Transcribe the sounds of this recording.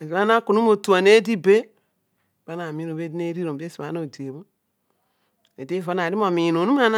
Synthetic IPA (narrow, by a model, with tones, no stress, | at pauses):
e˨za˦na˦ku˨nu˦mo˨tu˨a˨ne˦di˦be˦ | ba˨˦na˨mi˨˦no˨be˦di˦ne˦ɾi˦ɾo˨be˦si˨βa˨˦no˦˨di˨e˨bo˦ | e˨di˦vo˦na˨ɾi˦mo˨mi˨no˨nu˦a˦na˦